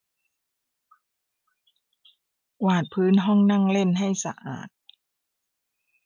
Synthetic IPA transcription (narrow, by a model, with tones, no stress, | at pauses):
waː˨˩t̪̚pʰɯː˦˥nɦɔ˥˩ŋna˥˩ŋle˥˩nɦa˥˩jsa̰˧ʔa̰ː˨˩t̪̚